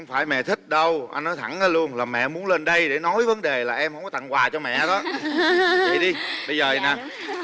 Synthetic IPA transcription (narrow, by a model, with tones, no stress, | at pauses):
wŋ͡mfaː˧˩jmɛ̰˧˨t̪ʰï˦˥k̟̚ɗə˧wʔa̰˧jnːɔ˨˦jt̪ʰa˧˩naː˨˦lu˧ənlaː˨˩mɛ̰˧˨mu˨˦ənle˧nɗə˧jɗe˧˩nɔ˨˦jvə˨˦nɗe˨˩laː˨˩ʔɛ˧mhə˧wŋ͡mkɔ˨˦t̪ŋkwaː˨˩t͡ɕɔ˧mɛ̰˧˨ɗɔ˨˦ | a̰˨˩jɗi˧ɓə˧jzəː˨˩naː˨˩